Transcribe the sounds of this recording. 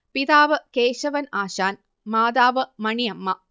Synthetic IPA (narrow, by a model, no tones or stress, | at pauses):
piðaːʋɐkeːʂɐʋɐnaːʃaːn | maːd̪aːʋɐmɐɳijɐmːɐ